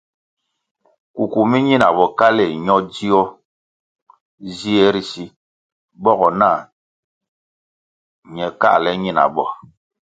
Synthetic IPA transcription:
ku˨ku˨mi˦ɲi˦na˨bɔ˨ka˦le˨ɲɔ˦di˦ɔ˦ | zi˦ɛ˦ɾi˦si˦ | bɔ˦ɣɔ˨naː˦˨ | ɲɛ˨ka̰˦lɛ˦ɲi˦na̰˨bɔ˨

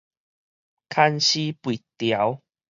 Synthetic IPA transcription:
kʰa˥˧nɕi˦pwi˨t̪ja˨˦w

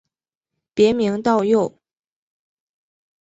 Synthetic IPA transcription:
pjɛ˧˥mi˧˥ŋt̪ɑ˥˧ʊjo˥˩ʊ

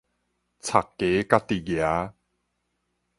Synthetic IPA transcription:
t͡sʰa˨˩kːe˨˦ka˧t̪i˨˩ɡja˨˦

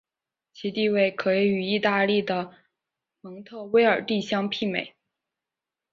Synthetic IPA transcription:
t͡ɕʰi˧˥t̪i˥˧we˥˩ɪkʰɤ˧˥i˧˥y˨˩i˥˧t̪a˥˧li˥˩d̪ə˩ | mɤ˧˥ŋt̪ʰɤ˥˩we˥ɪə˞˨˩t̪i˥˩ɕjɑ˥ŋpʰi˥˩mḛ˨˩˦ɪ

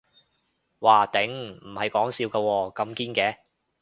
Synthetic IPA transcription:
waː˨˩t̪ɪ˨˥ŋm̩˨˩hɐ˨jkɔː˨˥ŋsiː˧wkaː˧wɔː˧kɐ˧mkiː˥nkɛː˨˥

